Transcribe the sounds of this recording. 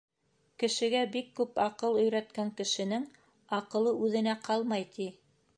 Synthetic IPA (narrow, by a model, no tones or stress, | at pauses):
kɘ̆ʃɘ̆ɡæbikːʉpɑqɤlˠɵ̆jɾæt̪kæŋkɘ̆ʃɘ̆nɘŋ | ɑqɤ̆lˠɤʉðɘ̆næqɑlˠmɑjt̪ʰi